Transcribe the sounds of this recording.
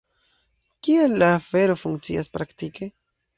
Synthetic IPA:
kielːaːfe̞ɾo̞fuŋkt͡sḭaspɾaktike̞

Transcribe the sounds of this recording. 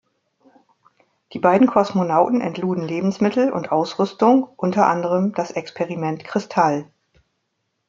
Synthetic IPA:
d̥iːbaɪdn̩kʰɔsmonaʊtn̩ɛ̰ntluːdn̩leːbm̩smɪtʰl̩ʊ̰ntʔaʊsʁʏstʊŋʔʊntɐʔa̰ndəʁəmd̥asʔɛkspʰeʁimɛntkʁ̥ɪstʰal

